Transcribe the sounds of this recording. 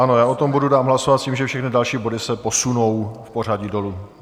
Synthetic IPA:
ʔanojaːot̪o̞mbududaːmɦlasovat̪sciːmʒɛfʃɛxnɪdalʃiːbo̞dɪsɛpo̞sunowfpor̝aɟido̞lu

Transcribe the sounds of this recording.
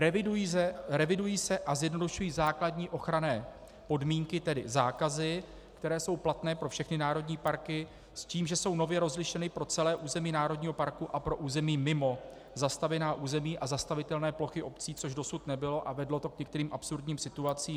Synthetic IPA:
ɛɪujiɛɾɛvɪdujiːsɛʔazjɛdno̞duʃujiːzaːkladɲiːʔo̞xɾanɛː | po̞dmiːŋkɪt̪ɛdɪ̰zaːkazɪ | kt̪ɛɾɛːso̞wplat̪nɛːpɾo̞fʃɛxnɪnaːɾo̞dɲiːpaɾkɪ | sciːmʒɛso̞wno̞vjɛɾo̞zlɪʃɛnɪpɾo̞t͡sɛlɛːʔuːzɛmiːnaːɾo̞dɲiːɦo̞paɾkuʔapɾo̞ʔuːzɛmiːmɪmo̞ | zast̪avɛnaːʔuːzɛmiːʔazast̪avɪt̪ɛlnɛːplo̞xɪʔo̞pt͡siːt͡so̞ʒdo̞sut̪nɛbɪlo̞ʔavɛdlo̞t̪o̞kɲɛk̚t̪ɛɾiːmʔapsuɾdɲiːmsɪt̪uat͡siː

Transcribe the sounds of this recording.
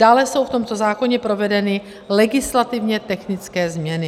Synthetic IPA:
d̥aːlɛso̞wft̪o̞mt̪o̞zaːko̞ɲɛpɾo̞vɛdɛnɪ | lɛɡɪslat̪ɪvɲɛt̪ɛxnɪt͡skɛːzmɲɛnɪ

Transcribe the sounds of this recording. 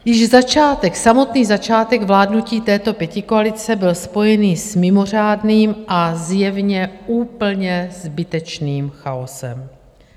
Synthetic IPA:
jɪʒzat͡ʃaːt̪ɛksamo̞t̪niːzat͡ʃaːt̪ɛɡvlaːdnuciːt̪ɛːt̪o̞pjɛcɪkoalɪt͡sɛbɪlspo̞jɛniːsmɪmo̞r̝aːdniːmʔazjɛvɲɛuːpl̩ɲɛzbɪt̪ɛt͡ʃniːmxao̞sɛ̰m

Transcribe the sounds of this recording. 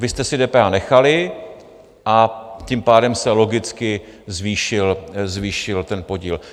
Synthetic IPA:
vɪst̪ɛsɪdɛːpɛːʔanɛxalɪ | ʔacimpaːdɛmsɛlo̞ɡɪt͡skɪ | zviːʃɪlzviːʃɪlt̪ɛnpo̞ɟḭːl

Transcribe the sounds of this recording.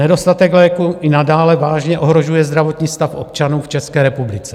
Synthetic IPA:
nɛdo̞st̪at̪ɛklɛːkuʔɪnadaːlɛvaːʒɲɛʔo̞ɦɾo̞ʒujɛzd̪ɾavo̞t̪ɲiːst̪afʔo̞p̚t͡ʃanuːft͡ʃɛskɛːɾɛpublɪt͡sɛ

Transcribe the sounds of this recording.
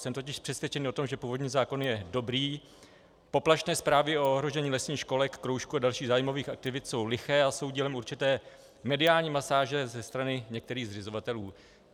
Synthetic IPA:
sɛmt̪ocɪʃpr̥ɛsvjɛt͡ʃɛnio̞t̪omʒɛpuːvo̞dɲiːzaːko̞njɛdo̞bɾiː | po̞plaʃnɛːspɾaːvɪooɦɾo̞ʒɛɲiːlɛsɲiːxʃko̞lɛkːɾowʃkuadalʃiːɣzaːjɪmoviːxak̚t̪ɪvɪt̪so̞wlɪxɛːaso̞wɟiːlɛmuɾt͡ʃɪt̪ɛː | mɛdɪaːlɲiːmasaːʒɛzɛst̪ɾanɪɲɛk̚t̪ɛɾiːɣzrɪzo̞vat̪ɛluː

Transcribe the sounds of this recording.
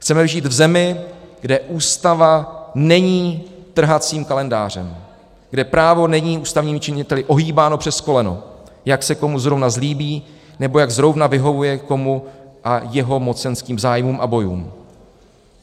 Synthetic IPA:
xt͡sɛmɛvʒiːt̪vzɛmɪɡ̥dɛʔuːst̪avanɛɲiːt̪r̩ɦat͡siːmkalɛnda̰ːr̝ɛm | ɡ̥dɛpɾaːvo̞nɛɲiːuːst̪avɲiːmɪt͡ʃɪɲɪt̪ɛlɪʔo̞ɦiːbaːnopr̥ɛsko̞lɛno̰ | jaksɛko̞muzɾovnazliːbiː | nɛbo̞jaɡzɾo̞vnavɪɦo̞vujɛko̞muʔajɛɦo̞mo̞t͡sɛnskiːmzaːjmuːmʔabo̞jṵːm

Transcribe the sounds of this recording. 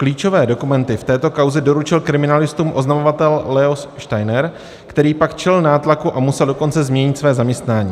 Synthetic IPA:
kliːt͡ʃo̞vɛːdo̞kumɛnt̪ɪft̪ɛːt̪o̞kawzɛdo̞ɾut͡ʃɪlkɾɪmɪnalɪst̪uːmʔo̞znamovat̪ɛllɛosʃt̪ajnɛɾ | kt̪ɛɾiːpakt͡ʃɛlnaːt̪lakuʔamusɛldo̞ko̞nt͡sɛzmɲɛɲɪt̪svɛːzamɲɛst̪naːɲiː

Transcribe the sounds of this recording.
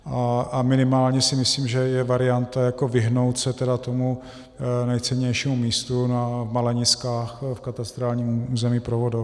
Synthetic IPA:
ʔaamɪnɪmaːlɲɛsɪmɪsliːmʒɛjɛvaɾɪant̪ajako̞vɪɦno̞wt̪sɛt̪ɛdat̪omu | nɛjt͡sɛɲɛjʃimumiːst̪unavmalɛɲɪskaːxfkat̪ast̪ɾaːlɲiːmuːzɛmiːpɾovodo

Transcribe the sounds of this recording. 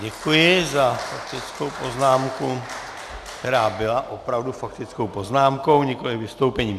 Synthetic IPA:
ɟɛkujɪzafak̚t̪ɪt͡sko̞wpo̞znaːmku | kt̪ɛɾaːbɪlaʔo̞pɾavdufakt̪ɪt͡sko̞wpo̞znaːmko̞wɲɛko̞lɪvɪst̪o̞wpɛɲiːm

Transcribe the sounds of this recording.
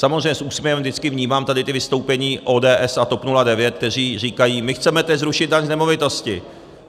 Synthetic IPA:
samozrɛjɲɛsʔuːsmʲjɛvɛmvdɪt͡skɪvɲiːmaːmt̪adɪt̪ɪvɪst̪o̞wpɛɲiːʔo̞ːdɛːʔɛsat̪o̞pnuladɛvjɛt̪̚k̚t̪ɛr̝iːriːkajiːmɪxt͡sɛmɛt̪ɛzɾuʃɪd̪̚daɲznɛmo̞vɪt̪o̞scɪ

